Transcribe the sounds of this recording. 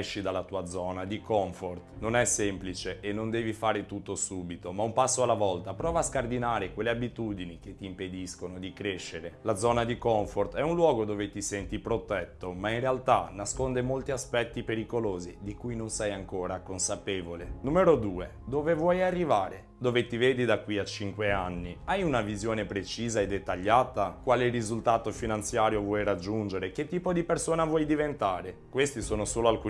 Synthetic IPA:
ɛʃːid̪alːat̪uːad̪zɔːnad̪ikɔɱfort̪nonɛsːɛmplit͡ʃeʔenːond̪ɛːvifaːɾet̪ut̪ːosuːbit̪omaumpasːoalːavɔlt̪apɾɔːvaːskard̪inaːɾekwelːeabit̪uːd̪iniket̪ːiːmped̪iskonod̪ikɾeʃːeɾelad̪zɔːnad̪ikɔɱfort̪ɛunlwɔːɡod̪oːvet̪isɛnt̪ipɾot̪ɛt̪ːomainrealt̪anaskond̪emolt̪iaspɛt̪ːipeɾikoloːzid̪ikujnonsɛjaŋkoːɾakonsapeːvolenumeɾod̪uːḛ | d̪oːvevwɔjarːivaːɾe | d̪oːvet̪iveːd̪id̪akːwiat͡ʃiŋkweanːiajunavizjoːnepɾet͡ʃiːzaed̪ːet̪ːaʎːaːt̪akwaːlerizult̪aːt̪ofinant̪sjaːɾjovwɔjrad͡ʒːund͡ʒeɾek̟et̪ːiːpod̪ipersoːnavwɔjd̪ivent̪aːɾekwest̪isoːnosoːloalkuː

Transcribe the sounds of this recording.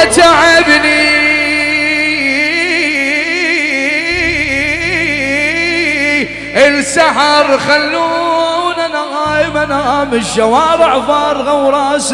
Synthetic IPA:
t̪aʕɪbni | ʔɪlsaħɾˤxalːunanaɑjmanamɪʃːawɑːɾɪʕfɑːɾˤɣawɾˤɑːs

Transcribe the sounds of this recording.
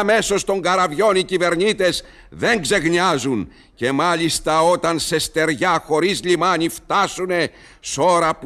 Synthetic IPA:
me̞so̞st̪o̞ŋɡɐɾɐvʝo̞nicive̞ɾnit̪e̞z | ðe̞ŋɡze̞ɣɲiɐzun | ce̞mɐlist̪ɐo̞t̪ɐnse̞st̪e̞ɾʝɐxo̞ɾizlimɐnift̪ɐsune̞ | so̞ɾɐp

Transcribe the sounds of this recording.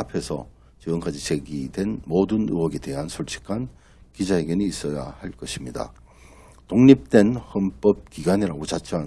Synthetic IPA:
apʰe̞sʰʌ̰ | t͡ɕiɡɯmkad͡ʑit͡ɕe̞ɡidwe̞nmodɯnṵwʌɡede̞ɦansʰoɭt͡ɕʰi̥kʰan | kid͡ʑaɦeɡjʌniːs͈ʌja̰haɭk͈ʌɕʰimɲida̰ | toŋɲip̚t͈we̞nhʌnp͈ʌp̚kiɡwaɲiɾaɡot͡ɕat͡ɕʰʌɦa

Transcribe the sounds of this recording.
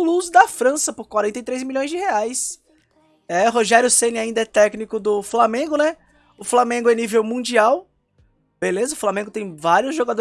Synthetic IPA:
luzd̪ɐfɾɐ̃sɐpoɾkwaɾẽnt̪ɐjt̪ɾejzmiʎõj̃zd͡ʒɪheajs | ɛɦoʒɛɾjʊsẽnɪaĩnd̪ɐɛt̪ɛknikʊd̪ʊflamẽɡʊnɛ | ʊflamẽɡʊɛnivewmũd͡ʒiaw | b̥elezɐʊflamẽɡʊt̪ẽj̃vaɾiʊzʒoɡad̪o

